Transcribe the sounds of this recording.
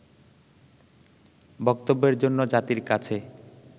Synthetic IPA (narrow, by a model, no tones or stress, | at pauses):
bɔk̚t̪obːeɾd͡ʑonːod͡ʑat̪iɾkat͡ɕʰe